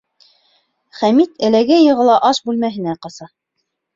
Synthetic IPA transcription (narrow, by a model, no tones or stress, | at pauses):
χæmit̪ɘ̆læɡæjɤ̆ʁɤ̆lˠɑʔɑʃbʉlmæɦɘ̆næqɑsɑ